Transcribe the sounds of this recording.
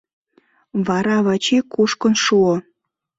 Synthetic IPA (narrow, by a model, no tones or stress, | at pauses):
βɑɾɑβɑt͡ɕikuʃkə̆nʃuo